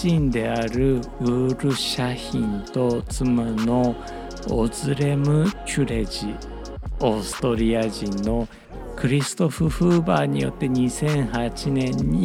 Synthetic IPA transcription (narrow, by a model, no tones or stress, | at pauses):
ĩnd̪e̞aɾɯ̟ɯːɾɯ̟ɕaçĩnt̪o̞t͡sɨmano̞ | ozɨɾe̞mɯ̟kɨɾe̞d͡ʑi | osɨ̥t̪o̞ɾʲiaʑĩnːo̞ | kɯ̟ɾʲisɨ̥t̪o̞ɸɯ̟ɸɯːbaːɲ̟ijo̞̰t̪ːe̞ɲ̟isẽ̞ɰ̃hat͡ɕinẽ̞ɲːi